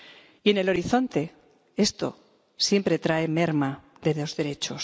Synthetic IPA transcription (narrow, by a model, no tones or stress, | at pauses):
iene̞lo̞ɾiθo̞nt̪e̞ | e̞st̪o̞ | sje̞mpɾet̪ɾaeme̞ɾma | ðe̞ðo̞zðe̞ɾe̞t͡ʃo̞s